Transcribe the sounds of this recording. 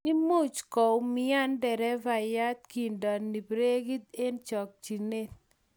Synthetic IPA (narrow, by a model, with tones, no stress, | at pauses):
i˦mu˦t͡ʃkɔ˨wmɪ˦a˦ndɛ˨ɾɛ˦va˨ja˦t̪̚ki˨ndɔ˨nːi˨pɾe˦ɡi˦t̪̚e˦nt͡ʃɔ˨k̚t͡ʃi˨ne˦t̪̚